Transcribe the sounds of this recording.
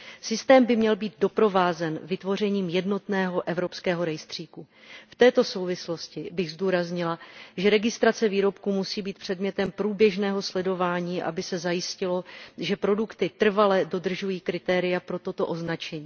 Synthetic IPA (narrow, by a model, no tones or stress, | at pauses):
sɪst̪ɛːmbɪmɲɛlbiːd̪̚do̞pɾo̞vaːzɛnvɪt̪vo̞r̝ɛɲiːmjɛdno̞t̪nɛːɦo̞ʔɛvɾo̞pskɛːɦo̞ɾɛjst̪r̝̥iːku | ft̪ɛːt̪o̞so̞wvɪslo̞scɪbɪɣzduːɾazɲɪlaʒɛɾɛɡɪst̪ɾat͡sɛviːɾo̞pkuːmusiːbiːt̪̚pr̝̥ɛdmɲɛt̪ɛmpɾuːbjɛʒnɛːɦo̞slɛdo̞vaːɲiːʔa̰bɪsɛzajɪscɪlo̞ʒɛpɾo̞dukt̪ɪt̪r̩valɛdo̞d̪r̩ʒujiːkɾɪt̪ɛːɾɪjapɾo̞t̪o̞t̪o̞ʔo̞znat͡ʃɛɲiː